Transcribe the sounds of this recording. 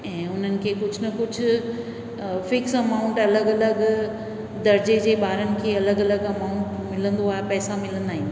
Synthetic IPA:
ɛ̃ːʊn̤ənɪ̆kʰeːkʊd͡ʑʱnɐkʊd͡ʑʱʊ̆ | fɪksɐmaːʊ̃ɳʈɐləɡɐləɡ | d̪ɐɾd͡ʑed͡ʑeːbaːɾənɪ̆kʰeːɐləɡɐləɡɐmaːʊ̃ɳʈmɪlə̃nd̪oaːɦepɛːsamɪlə̃nd̪aːɦĩː

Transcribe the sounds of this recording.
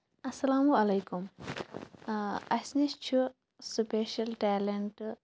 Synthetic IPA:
ɐsːɐlaːmuɐlɐjkum | ɐsnist͡ʃʰu | supeːʃɐlʈaːleɳʈ

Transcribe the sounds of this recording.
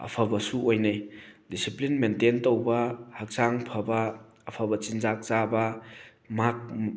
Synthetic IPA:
ɐ̰pʰɐbɐsuojnajdisiplinmententowbɐhak̚saŋpʰɐbɐː | pʰɐbɐt͡ʃinzak̚zabɐ | mak̚

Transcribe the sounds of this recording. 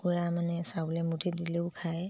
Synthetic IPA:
kuɹamanɛsabulɛmutʰidileʊkʰaj

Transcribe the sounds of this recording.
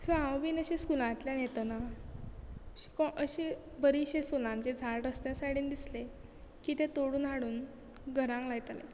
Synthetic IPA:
soãwbiːnəɕẽskulãt̪ljanjet̪əna | ɕi̥kɔʔəɕe | bəɾiɕefulãɲt͡ɕed͡zʱaɭɾəsnasaɽiːnd̪isle | kiːt̪et̪oɽuːnɦaɽuːn | ɡʱəɾãŋklaɡt̪alḛ

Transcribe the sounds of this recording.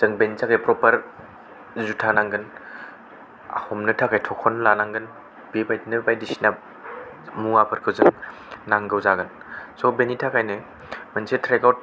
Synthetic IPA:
z̥ɯŋbenitʰakajpɾɔpəɾ | zutʰanaŋɡɯn | a̰hɔmnɯtʰakajtʰɔkʰɔnlanaŋɡɯn | bebajdnɯbajdisina | muŋapʰɯɾkʰɯzɯŋ | naŋɡɯwzaɡɯn | sɔbenitʰakajnɯ | mənsetʰɾeɡawt̚

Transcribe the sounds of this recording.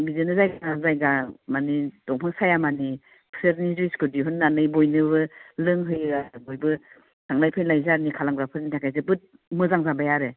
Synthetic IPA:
bizenɯzajɡaŋazajɡamanid̥ɔŋpʰɯŋsajamani | pʰseɾniziskʰɯdiɦɔnːanɯjbɔjnɯβɯlɯŋɦɯjabojbɯ | sʰaŋlajpʰɯjnlajzaɾnikʰalaŋɾapʰɯɾnitʰakʰajzɯbɯt̚ | mɯzaŋzabajaɾe

